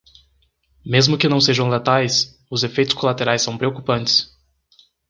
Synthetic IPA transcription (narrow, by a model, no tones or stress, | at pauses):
mezmʊkɪnɐ̃w̃seʒɐ̃w̃lat̪ajs | ʊzefejt̪ʊ̥skolat̪eɾajsːɐ̃w̃pɾeokupɐ̃nt͡ʃɪ̥s